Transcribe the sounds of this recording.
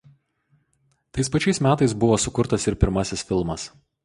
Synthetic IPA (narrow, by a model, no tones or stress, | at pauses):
t̪ɐɪspɐt͡ʃʲɛɪsmʲæːt̪ɐɪsbʊʋoːsʊkʊɾt̪ɐsɪɾpʲɪɾmɐsʲɪsfʲɪlˠmɐs